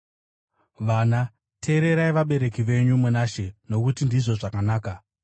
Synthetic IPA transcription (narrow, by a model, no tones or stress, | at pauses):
ʋana | tʰe̞ːɾe̞ɾaiʋaɓe̞ɾe̞kiʋe̞ɲumunaʃe̞no̞kutindiʐo̞ʐakanaːka